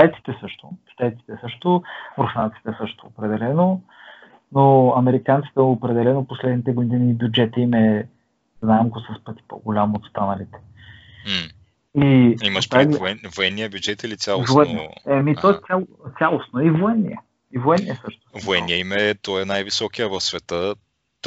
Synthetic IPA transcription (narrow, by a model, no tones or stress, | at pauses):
t̪ajt̪si̥t̪ɛsɤʃt̪oʃt̪ajt̪si̥t̪ɛsɤʃt̪omɾfant̪i̥t̪ɛsɤʃt̪oopɾɛd̪ɛlɛno | noɐmɛɾikant̪si̥t̪ɛopɾɛd̪ɛlɛnoposlɛd̪nit̪ɛɡod̪iniːbʲjud͡ʒɛt̪əimɛ | znaɛmɡosɐspɤt̪i̥po̰ɡolʲamot̪st̪anɐlit̪ɛ̥ | iimɐʃt̪aɡlɛvoɛnːijəbʲjud͡ʒɛt̪ilit̪sʲjalˠovoɛnɛmit̪ɔɛt̪ʲjalˠt̪sʲjalˠosnoivoɛnːḭə̰ | ivoɛnːiəsɤʃt̪ʊ̥voɛnːiəimɛt̪ɔɛnajvisɔkijəvɐfsvɛt̪ə